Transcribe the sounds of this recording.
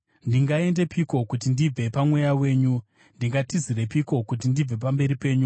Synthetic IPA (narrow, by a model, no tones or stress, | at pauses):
ndiŋɡae̞nde̞pʰiko̞kutindib͡ve̞pamwe̞jawe̞ːɲu | ndiŋɡatizire̞piko̞kut̬indib͡ve̞pambe̞ɾipe̞ːɲu